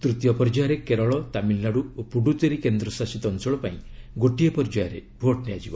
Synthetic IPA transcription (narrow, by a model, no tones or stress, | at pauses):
t̪ɾut̪jɔpɔɾd͡ʒajaɾekeɾɔɭɔt̪amilːaɽuopuɖut̪eɾikend̪ɾɔsasit̪ɔnsɔɭɔpaĩɡoʈijɔpɔɾd͡ʒɔjaɾḛbʱoʈnejad͡ʒibɔ